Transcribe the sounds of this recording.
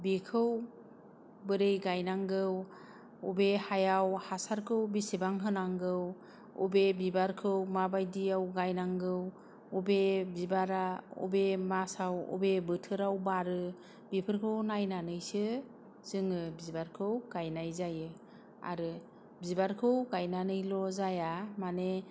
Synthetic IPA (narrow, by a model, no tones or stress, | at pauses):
bikʰɯw | bɯɾejɡajnaŋɡɯw | ɔbehajawhasaɾkʰɯwbisebaŋɦɯnaŋɡɯw | ɔ̰bebibaɾkʰɯwmabajdiawɡajnaŋɡɯw | ɔbebibaɾaṵbemasawṵbebɯtʰɯɾawbaɾɯ | bipʰɯɾkʰɯwnajnanɯjsɯ | z̥ɯŋɯbibaɾkʰɯwɡ̥ajnajzajɯ | a̰ɾɯ | bibaɾkʰɯwɡajnanɯjlɔzajamane